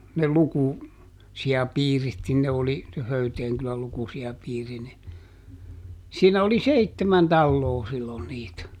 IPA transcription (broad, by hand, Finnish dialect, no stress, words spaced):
ne luku siɑpiːrit nin ne oli se høyteːŋ kylæl lukusiɑpiːri ni siːnæ oli seitːemæn tɑlːoː silːon niːt